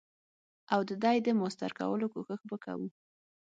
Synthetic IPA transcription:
awd̪əd̪ɑjd̪əmost̪a̰ɾka̰wəlokoxəxbəka̰wu

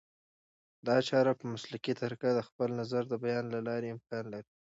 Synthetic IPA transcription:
d̪ɑt͡ʃɑɾapəmʊslakit̪aɾkad̪əxpəlnazaɾd̪əbajɑnlalɑɾeɪmkɑnlaɾi

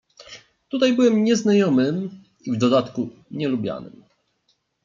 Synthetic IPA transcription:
t̪ut̪ajbɘwɛmɲɛznajɔmɘm | ivd̪ɔd̪at̪kuɲɛlubʲja̰nɘ̰m

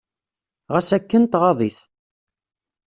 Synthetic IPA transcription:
ʁæsækːənt̪ʁɑðˤiθ

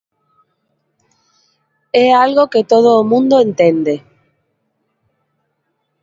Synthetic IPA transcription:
ɛalɣoket̪oð̞oːmũnd̪oẽnt̪end̪e

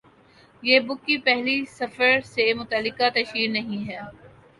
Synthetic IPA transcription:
jeːbʊkːipɛɦlisɐfəɾsemʊt̪əlːɪkat̪ɐʃiːɾnɐɦĩɦɛː

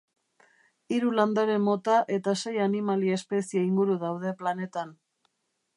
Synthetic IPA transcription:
iɾuland̪aɾe̞mo̞t̪aʔe̞t̪ase̞janimalie̞spe̞sieiŋɡuɾuðawðe̞plane̞t̪an

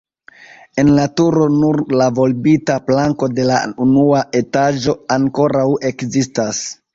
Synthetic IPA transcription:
e̞nlatuɾo̞nuɾlavo̞lbitaplaŋko̞de̞launuaʔe̞tad͡ʒo̞aŋko̞ɾawe̞kzistas

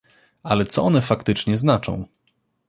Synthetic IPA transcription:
alɛt̪sɔɔnɛfakt̪ɘt͡ʂɲɛznat͡ʂɔ̰̃w̃

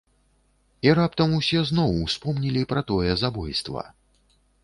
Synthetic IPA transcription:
iɾapt̪ɐmusʲɛznɔwspɔmnʲilʲipɾɐt̪ɔjɛzabɔjst̪vɐ̰

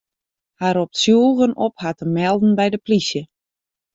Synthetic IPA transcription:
haɾɔp̚tsjuːlˠɣənophatəmɛlˠdn̩bɛjdəplisjə

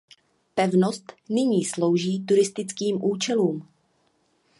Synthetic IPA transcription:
pɛvnost̪nɪɲiːslowʒiːt̪uɾɪst̪ɪt͡skiːmʔuːt͡ʃɛluːm

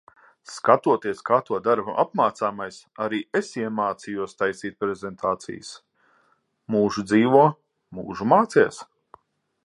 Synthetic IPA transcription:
skat̪uɔt̪iɛskaːt̪uɔd̪aɾbuʔap̚maːt̪saːmajs | aɾiːesiɛmaːt̪sijuɔst̪ajst̪iːt̪̚pɾezʲent̪ʰaːt̪sḭjs | muːʒud̪ziːʋuɔ | muːʒumaːt̪siɛs

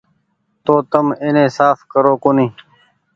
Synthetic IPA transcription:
t̪oːt̪əmenẽːsaːfkəɾoːkoniː

